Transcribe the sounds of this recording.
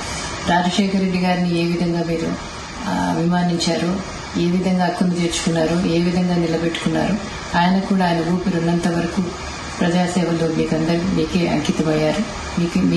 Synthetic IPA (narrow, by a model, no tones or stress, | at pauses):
ɾaːd͡ʒɐʃɛːkʰɐɾe̞ɖːiɡaːɾinieːʋid̪ʱɐŋɡaːmiːɾu | ɐ̰bʱimaːniɲt͡ʃaːɾoː | e̞ːʋid̪ʱɐŋɡaːkːɐnit̪e̞ːɾt͡ʃu̥kunːaːɾoːe̞ːʋid̪ʱɐŋɡaːnilɐbeʈːu̥kunːa̰ːɾu | aːjɐnɐkuːɽaːjɐnɐuːpiɾunːɐnt̪ɐʋɐɾɐku | pɾɐd͡ʒaːsɛːʋɐlo̞ːmiːkɐnd̪ɐɾimiːke̞ːʔɐ̰ŋkit̪ɐmɐjːaːɾu | miːkmː